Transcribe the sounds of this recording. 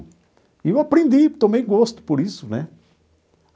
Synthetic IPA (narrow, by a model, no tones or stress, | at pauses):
iwapɾẽnd̪it̪õmẽjɡost̪ʊ̥poɾisʊnɛ